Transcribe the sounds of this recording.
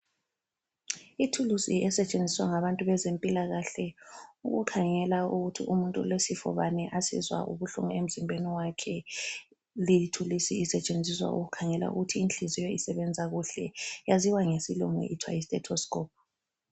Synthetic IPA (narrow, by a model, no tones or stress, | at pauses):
itʰulusiɛsɛt͡ʃʼend͡zʱiswaŋaβantʼuβɛzempʼilaɣaɬɛuɣṵkʰaŋɛlauɣutʰiʔumuntʼṵlesifɔ̰βanɛʔasḭzwa̰ʔṵβuɬṵŋɔem̩zimbʱeniwakʰɛ | litʰulisiisɛt͡ʃʼend͡zʱiswa̰ʔṵɣukʰaŋɛla̰ṵɣutʰiːnt͡ɬizijoisɛβɛnd͡zʱaɣuɬɛjaziwaŋesiluŋɛ̰ʔitʰwa̰jistʼɛtʰɔskʼɔːp̚